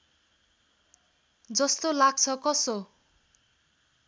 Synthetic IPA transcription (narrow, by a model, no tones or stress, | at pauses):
d͡zʌst̪olaɡ̚t͡sʰʌkʌso